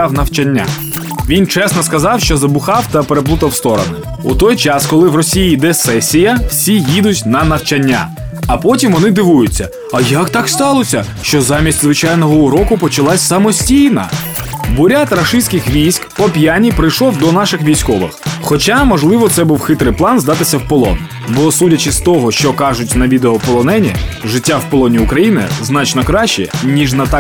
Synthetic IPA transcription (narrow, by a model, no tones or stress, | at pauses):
awnɐwt͡ʃɐnʲːa̰ | ʋʲint͡ʃɛsnɔskɐzɑwʃt͡ʃɔzɐbʊxɑwt̪ɐpeɾeplˠut̪ɐwst̪ɔɾɔ̰nʊ | ut̪ɔjt͡ʃɑskɔlˠɪwrɔsʲijid̪ɛsɛsʲijɐwsʲijid̪ʊtʲnɐnɐwt͡ʃɐnʲːa̰ | ɐpɔtʲimʋɔnɪd̪ɪʋujʊt͡sʲːɐ | ɐjɐkt̪ɑkst̪ɑlˠɔsʲɐ | ʃt͡ʃɔzɑmʲisʲtʲzʋɪt͡ʃɑjnɔɦɔuɾɔkʊpɔt͡ʃɐlˠɑsʲsɐmɔsʲtʲijnɐ̰ | bʊɾʲat̪ɾɐʃɪsʲkɪxʋʲijsʲkpɔpʲjanʲipɾɪjʃɔwd̪ɔnɑʃɪxʋʲijsʲkɔʋɪ̰xxɔt͡ʃamɔʒlˠɪʋɔt̪sɛbuwxɪt̪ɾɪjplˠɑnzd̪ɑt̪ɪsʲɐwpɔlˠɔ̰n | bɔsutʲɐt͡ʃɪst̪ɔɦɔʃt͡ʃɔkɑʒʊtʲnɐʋʲid̪eɔpɔlˠɔnɛnʲḭʒɪtʲːawpɔlˠɔnʲiʊkɾɐjinɪ̰znɑt͡ʃnɔkɾɑʃɪɛnʲiʒnɐt̪ɑ